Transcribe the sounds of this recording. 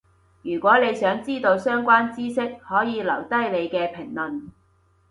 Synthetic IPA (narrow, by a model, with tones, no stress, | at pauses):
jyː˨˩kʷɔː˨˥ne˨˧jsœː˨˥ŋt͡siː˥t̪o˧wsœː˥ŋkʷwaː˥nt͡siː˥sɪ˥k̚hɔː˨˥jiː˨˧lɐ˨˩wt̪ɐ˥jle˨˧jkɛː˧pʰɪ˨˩ŋlɐ˨˩n